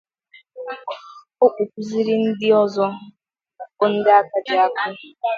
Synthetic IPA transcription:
o˦k͡pʷu˨k̚ʷu˨zi˦ɾɪ˦n̩˦dɪ˦ɔ˦zɔ˦ | o˦n̩˦dɪ˦a˦ka˦d͡ʒɪ˨a˦kʊ˦

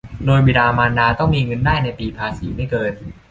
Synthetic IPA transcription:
doː˧jbiː˧daː˧maː˧ndaː˧t̪ɔ˥˩ŋmiː˧ŋɤ˧ndaː˥˩jna˧jp̪iː˧pʰaː˧siː˩˦ma˥˩jkɤː˧n

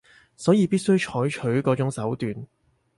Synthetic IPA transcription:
sɔː˨˥jiː˧piː˥t̚sɵ˥ɥt͡ʃʰɔː˨˥jt͡ʃʰɵ˨˥ɥkɔː˨˥t͡sʊ˨˥ŋsɐ˨˥wt̪yː˨n

